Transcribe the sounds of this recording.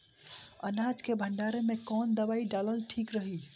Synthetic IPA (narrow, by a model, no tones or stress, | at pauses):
ə̰nad͡ʒkebʱəɳɖaɾemekɔnd̪əbaiɖaləlʈʰikɾəɦi